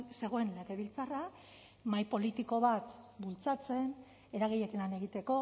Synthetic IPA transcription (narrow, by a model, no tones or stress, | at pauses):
se̞ɣ̞o̞e̞nle̞ɣe̞βilt͡sara | majpo̞lit̪iko̞βat̪bult͡sat͡se̞n | e̞ɾaɣ̞ejekinlane̞ɣ̞it̪e̞ko̞